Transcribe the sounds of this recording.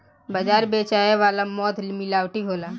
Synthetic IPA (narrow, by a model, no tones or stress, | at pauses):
bəd͡ʒaːɾbeːt͡ʃaːeʋaːlamɔːt̪mɪlaːwʈiɦoːlaː